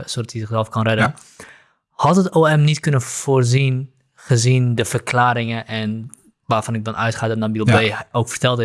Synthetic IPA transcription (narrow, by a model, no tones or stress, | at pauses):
sodɑtizəχzɛlˠfkɔnrɛdən | hɑtɦətoːɛmnitkɵnəv̥oːrzin | χəzindəvərklaːɾɪŋəʔɛn | ʋaːrv̥ɑnɪɡ̚dɔnʔœ̰ɥtχaːdɔtnabilˠbeːowkfərtɛlˠdə